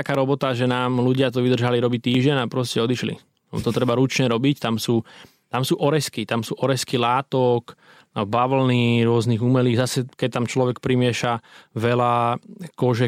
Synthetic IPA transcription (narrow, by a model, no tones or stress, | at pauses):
t̪akaːɾɔbɔt̪aʒɛnaːmluɟɪat̪ɔʋid̪r̩ʒaliɾɔbiːt̪iːʒɟɛɲapɾɔscɛɔd̪iʃlḭ | ɔ̰t̪ɔt̪ɾɛbaɾut͡ʃɲɛɾɔbict̪amsuː | t̪amsuːʔɔɾɛskit̪amsuːʔɔɾɛskilaːt̪ɔk | baʋl̩niɾʊɔzniɣumɛliːɣzasɛkɛc̚t̪amt͡ʃlɔʋɛkpɾimɪɛʃaʋɛlakɔʒɛ